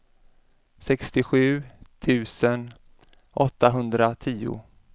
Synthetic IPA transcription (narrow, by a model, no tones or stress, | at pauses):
sɛkst̪ɪɧʉ̟ːt̪ʰʉ̟ːsən | ʔɔt̪ːaɦɵnd̪ɾat̪ʰiːʊ̰